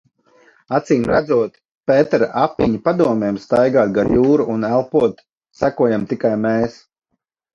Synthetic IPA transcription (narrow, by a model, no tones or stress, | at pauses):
at̪siːmɾad̪zuɔt̪ | pɛːt̪ɛɾaʔapːiɲipad̪uɔmɛːmst̪ajɡaːt̪̚ɡajuːɾuʔunælˠpuɔt̪ | sækuɔjamt̪ikajmɛːs